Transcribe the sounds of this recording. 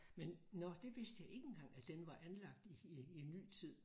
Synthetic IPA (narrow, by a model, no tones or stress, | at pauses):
mennɒd̥e̝ʋe̝sd̥əjɑ̈ɪe̝ɡ̥ən̩ɡ̥ɑ̈ŋ̰æd̥enʋɑ̈ʔænlɑ̈ɡ̥̚d̥ienːy̰ːt͡sʰið̞̰ˠ